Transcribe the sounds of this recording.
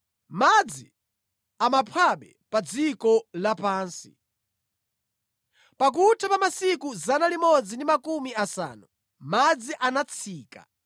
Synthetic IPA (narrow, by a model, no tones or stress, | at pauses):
mad͡zi | amapʰwaɓɛ | pad͡zikɔlapaːnsḭ | pak̬utʰapamasikuzanalimɔd͡zindimakumiasa̰ːnu | mad͡ziʔanat͡sʰiːka̰